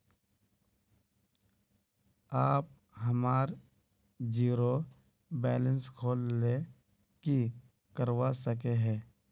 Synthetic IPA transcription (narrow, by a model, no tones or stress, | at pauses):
aːp̚ | ɦəmaːɾ | d͡ʒiːɾo | bɛːlə̃nskʰoːlːe | ki | kəɾwasəkeɦɛː